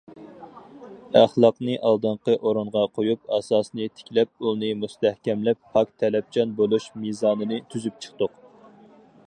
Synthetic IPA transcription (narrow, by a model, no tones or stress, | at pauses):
æχlˠɑqnɨʔɑlˠd̪ɨɴqəʔoɾuɴʁɑqʰojupɑsɑːsnɨt̪ʰɪ̥kʲlɛp̚unɨmust̪ɛhkʲɛmlɛpːʰɑk̚t̪ʰɛlɛp̚t͡ʃʰɑnbolˠuʃmizɑːnɨnɨt̪ʰyzyp̚t͡ʃʰə̥χt̪ʊq